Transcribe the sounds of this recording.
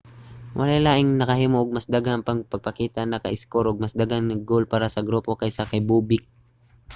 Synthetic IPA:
wʔɐ̰lajlaːʔɪŋnɐkɐɦiːmoʔːɡ̚mɐsd̪aɡaŋpɐŋpɐɡ̚pɐkiːt̪anɐkɐ̰ʔɪskoɾʔoɡ̚mɐsd̪aɡaŋnɐɡ̚ɡolpaːɾasɐɡɾuːpo̞kɐjsakɐjbuːbɪk̚

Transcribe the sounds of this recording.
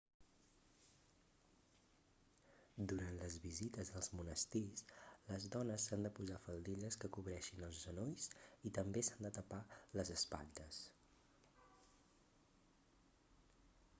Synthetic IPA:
d̪uɾant̪ləzβizit̪əzðəlˠzmunəst̪isləzðɔnəsːand̪əpuzafəlˠd̪iʎəskəkuβɾɛʃinəlˠzʒənojsit̪əmbesand̪ət̪əpaləzəspa̰ʎt̪əs

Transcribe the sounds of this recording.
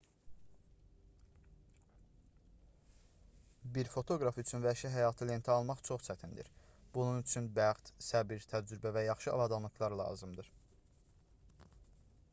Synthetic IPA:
biɾfo̞t̪ʰo̞ɡɾɑfyt͡ʃʰynvæɾʃæɦæjɑːt̪ʰɯle̞nt̪ʰiɑlˠmɑχt͡ʃʰo̞χt͡ʃʰæt̪ʰind̪ḭɾb̥ununyt͡ʃʰynbæχt̪sæbiɾt̪ʰæd͡ʒɾybævæjɑχʃɯɑ̰bɑd̪ɑnlˠɯxlˠɑɾlˠɑ̰ːzɯmd̪ɯɾ̥

